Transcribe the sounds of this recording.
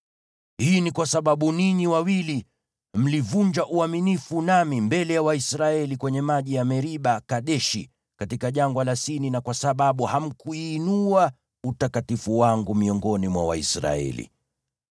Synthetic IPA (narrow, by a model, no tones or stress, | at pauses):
hiːnikwasaɓaɓuniɲiwawili | m̩livuɲd͡ʒaʔuaminifunamimbɛlɛjawaisɾaɛlikwɛɲɛmaʄijamɛɾiɓakaɗɛʃḭ | katikaʄaŋɡwalasininakwasaɓaɓuham̩kuiːnua | utakatifuwaŋɡumiɔŋɡɔnimwa̰wa̰isɾa̰ɛ̰lḭ